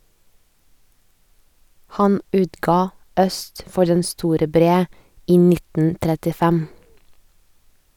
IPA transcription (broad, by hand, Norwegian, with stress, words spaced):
ˈhɑn ˈʉːtɡɑː ˈœst ˈfɔɾ ˈdɛn ˈstuːɾə ˈbɾeː ˈiː ˈnɪtn̩ tɾɛtɪˈfɛm